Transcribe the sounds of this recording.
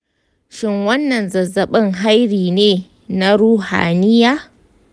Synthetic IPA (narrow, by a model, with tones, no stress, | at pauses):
ʃɪ˦ŋwɐ˦nːɐ˨nzɐ˨zɐ˨ɓɪ˦ŋɦa˦jɾiː˨neː˦ | na˦ɾuː˦ha̰ː˨nɪ˦jaː˦